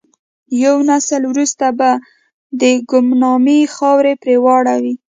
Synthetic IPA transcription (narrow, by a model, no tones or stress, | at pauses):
jawnasəlwɾust̪aba | d̪əɡʊmnɑmexɑwɾepɾewɑɽawi